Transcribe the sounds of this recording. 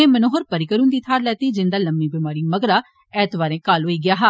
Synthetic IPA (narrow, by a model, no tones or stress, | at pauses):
ẽːmənoːɦəɾpəɾɪkəɾũːnd̪iːt̪ʰaːɾlɛːt̪iːd͡ʒɪ̃nd̪aːləmːiːbɪmaːɾiːməɡɾaː | ɛːt̪ʋaːɾẽːkaːlɦoːiːɡɪjaːɦaː